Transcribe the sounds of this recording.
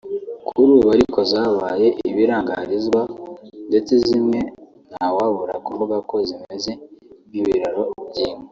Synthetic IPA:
kʰuɾuβaɾiko̞zaβaːje̞ʔiβiɾaːŋɡa̰ɾizɡwande̞t͡sezimŋe̞ | n̥hawaβuɾa̰kumuβako̞zimeze̞niβiɾaɾo̞bɟiːme

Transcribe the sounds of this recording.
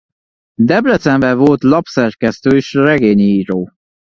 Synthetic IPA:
d̪ɛblɛt̪ɛɱvɛvolt̪lɒpsɛrkɛst̪øːeʃrɛɡeːɲiiːɾoː

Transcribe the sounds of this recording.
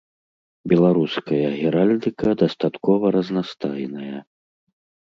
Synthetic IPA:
bʲɛlˠaɾuskɐjɐɣʲɛɾalʲd̪ɨkɐd̪ɐst̪at̪kɔvɐɾɐznast̪ajnɐjɐ

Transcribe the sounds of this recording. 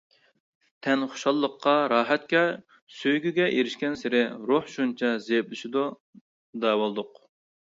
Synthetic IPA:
t̪ʰɛnχʊ̥ʃɑlˠːəqːɑɾɑːɦɛt̪̚kʲɛ | søjɡʲyɡʲɛʔeɾɪʃkʲɛnsɪɾɪɾoħʃunt͡ʃʰɑzejplˠɨʃid̪u | d̪ɑːwolˠd̪ʊq

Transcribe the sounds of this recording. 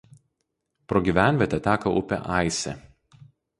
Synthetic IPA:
pɾoːɡʲiˑʋʲæˑnʲʋʲɛt̪ʲɛt̪ʲæːkɐʔʊpʲɛ̰ʔɑˑɪsʲɛ

